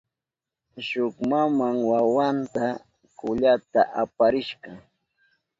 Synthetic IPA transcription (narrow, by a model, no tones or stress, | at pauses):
ʃʊkmamaŋwawant̪a | kʊʎat̪a̰ʔapaɾɪʃɢɑ